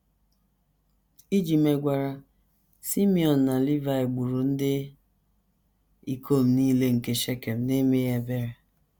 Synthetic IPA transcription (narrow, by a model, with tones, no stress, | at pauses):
i˦d͡ʒi˨me˨ɡʷa˨ɾa˨ | si˦mi˨ɔ˨n̩ː˨a˨li˦va˨e˨ɡ͡bu˨ɾu˨n̩˦dɪ˦ | i˨kʰo˦˨m̩˨niː˦le˦ŋ̩˨ke˨ʃe˦ke˨m̩˨ne˦me˦je˨be˦ɾe˨